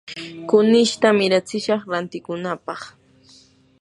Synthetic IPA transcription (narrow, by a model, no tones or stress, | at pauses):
kʊnɪʃt̪amɪɾat͡sɪʃɑχɾant̪ɪkʊnapɑχ